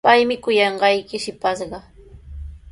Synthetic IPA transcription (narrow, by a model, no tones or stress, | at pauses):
pajmɪkʊjɑɴɢɑjkɪʃɪpasɢɑ